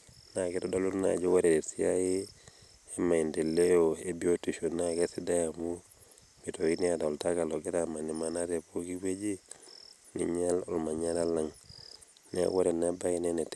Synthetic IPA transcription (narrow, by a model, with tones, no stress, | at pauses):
na˨ke˦tɔ˦da˦lu˦lna̰˨d͡ʒo˦wa˦ɾe˨de˨si˦a̰˦ji˦ | e˦ma˨i˨nde˨le˦o˨e˦bi˦o˦tu˨ʃo˨nake˦si˦da˦ja˨mu˦ | bi˨to˨ki˦ni˦a˦da˨ɔ˨lta˦ka˨lo˨ɡe˦tama˨ni˨ma˨na˦te˨po˦ki˦we˦d͡ʒi˦ | nḭ˨ɲa˦lɔ˨lma˨ɲa˦la˦la˦ŋ | nḛ˦wo˦ɾe˨na˦ba˦i˦nene˨t